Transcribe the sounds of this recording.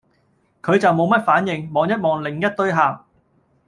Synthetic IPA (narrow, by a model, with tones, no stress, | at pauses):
kʰɵ˨˧ɥt͡sɐ˨wmo˨˧wmɐ˥t̚faː˨˥njɪ˨ŋmɔː˨˧˥ŋjɐ˥t̚mɔː˨˩ŋlɪ˨˩ŋjɐ˥t̚t̪ɵ˥ɥɦaː˨w